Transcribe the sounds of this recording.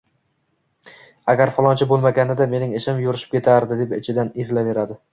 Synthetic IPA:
aɡʲaɾfɒlˠɒnt͡ʃʰabolˠmaɡʲanɪd̪ame̞nɪŋeʃɪmjʊɾɪʃɪ̥pkʲʰe̞t̪ʰaɾd̪ɪd̪epɪt͡ʃʰɪd̪anezlave̞ɾad̪ɪ

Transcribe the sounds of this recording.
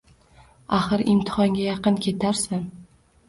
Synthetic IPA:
aχɨɾɪmt̪ʰɪ̥χɒŋɡʲajɑqɨnkʲʰe̞t̪ʰaɾsan

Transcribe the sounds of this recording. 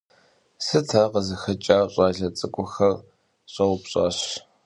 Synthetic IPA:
sɨtʰaːqəzɨxɐt͡ʃʼaːɕʼaːɮɐt͡sʼɨkʷʼʊxɐr | ɕʼɐwʊpɕʼa̰ːɕ

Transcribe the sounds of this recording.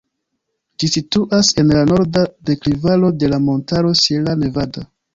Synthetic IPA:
d͡ʒisituʔase̞nlano̞ɾdade̞klivalo̞de̞lamo̞ntaɾo̞sielane̞vado

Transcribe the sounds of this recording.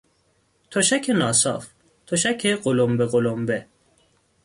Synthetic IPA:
t̪ʰoʃækʰenɒːsɒ̰ːf | t̪ʰoʃækʰeɢolombeɣolombe

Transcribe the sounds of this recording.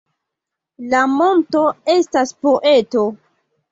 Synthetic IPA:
lamo̞nto̞e̞staspo̞ʔe̞to̞

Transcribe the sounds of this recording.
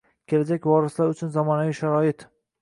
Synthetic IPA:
kʲʰe̞lad͡ʒakʲvɒɾɪslaɾʊt͡ʃʰʊnzɒmɒnaviʃaɾɒɪt̪

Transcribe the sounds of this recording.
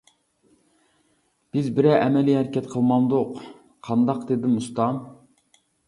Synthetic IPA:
b̥ɪzbɪɾɛʔɛmɛlijhæɾkʲʰɛt̪qʰəlˠmɑmd̪ʊq | qʰɑnd̪ɑqd̪ed̪ɪmust̪ɑm

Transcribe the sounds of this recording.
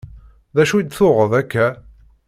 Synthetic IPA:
ðæʃuid̪θʊʁəðækːæ

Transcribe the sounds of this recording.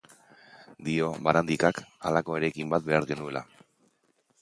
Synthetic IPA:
d̪io̞βaɾand̪ikakalako̞e̞ɾekimbat̪̚be̞aɾɣe̞nue̞la̰

